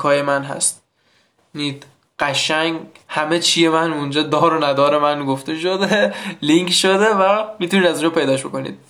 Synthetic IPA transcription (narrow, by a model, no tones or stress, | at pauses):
kʰɒːjemænɦæ̰st̪̚ | niːd̪ | ɢ̥æʃæŋɡhæme̞t͡ʃʰije̞mænund͡ʒɒːd̪ɒːɾonæd̪ɒːɾe̞mænɡoft̪e̞ʃod̪eliŋkʃod̪evæmit̪uniːd̪æziːnd͡ʒɒpʰe̞jd̪ɒːʃbo̞̰ko̞nḭd̪̥̚